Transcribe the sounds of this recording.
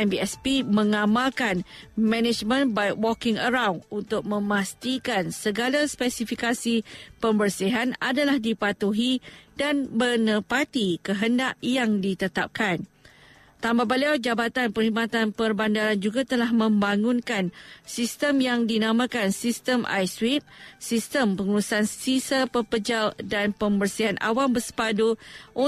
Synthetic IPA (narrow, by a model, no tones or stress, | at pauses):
ɛmbiɛspimə̃ŋãmalkanmɛ̃nɛd͡ʒmə̃nbajwɔkɪŋəɾawnunt̪ʊk̚mə̃mast̪ikansəɡalaspɛsifikasipəmbərsiɦanadalahdipat̪uɦidanbənəpat̪ikəɦənda̰ʔjaŋdit̪ət̪ap̚kan | t̪ambabaliawd͡ʒabat̪anpərhimat̪anpərbandaɾand͡ʒuɡat̪əlahmə̃mbaŋũnkansist̪əmjaŋdinãmãkansist̪əmʔa̰jswip̚sist̪əmpəŋulusansisəpəpəd͡ʒaldanpəmbərsiɦanʔa̰wambəsə̥paduʔo